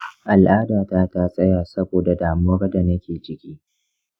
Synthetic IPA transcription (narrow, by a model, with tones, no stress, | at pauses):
ʔa˨lʔaː˦daː˨ta˦ta˦sʼɐ˦jaː˨sɐ˦boː˨da˨daː˨muː˦ɾda˨nɐ˦kʲeː˨t͡ʃɪ˦kʲiː˦